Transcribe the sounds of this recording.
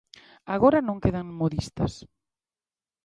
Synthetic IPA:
aɣoɾanõŋkeðaŋmoðist̪ɐ̰s

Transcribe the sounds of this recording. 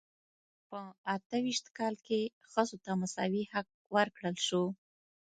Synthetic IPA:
pəat̪əwiʃt̪kɑlke | xəzot̪amasɑ̰wihaq̚wəɾkɽəlʃo

